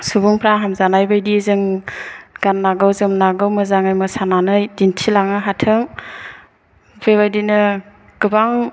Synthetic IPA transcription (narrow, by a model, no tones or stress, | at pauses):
subuŋpʰɾaɦamzanajbajdizɯŋ | ɡ̥anːaɡɯwzɯmnaɡɯwmɯzaŋajmɯsananɯjdintʰilaŋɯɦatʰɯŋ | bebajdinɯ | ɡ̥ɯbaŋ